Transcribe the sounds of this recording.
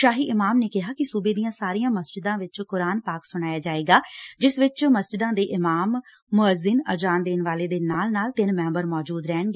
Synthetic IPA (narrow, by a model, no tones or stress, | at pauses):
ʃaːɦiːʔɪmaːmneːkɪɦaːkɪsuːbeːd̪ijãːsaːɾijãːməsd͡ʒɪd̪ãːʋɪt͡ʃkʊɾaːnpaːksʊɽ̃aːjaːd͡ʒaːeːɡaːd͡ʒɪsʋɪt͡ʃməsd͡ʒɪd̪ãːd̪eːʔɪmaːmː | ʊəzɪnəd͡ʒaːnd̪eːnʋaːleːd̪eːnaːlnaːlt̪ɪnmɛ̃ːmbəɾmɔːd͡ʒuːd̪ɾɛːɳɡeː